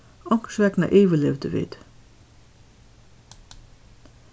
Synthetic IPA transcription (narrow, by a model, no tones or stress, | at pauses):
ɑŋkə̥ʃʋæknɑ̰ʔeːvəleːvd̪əvḛːd̪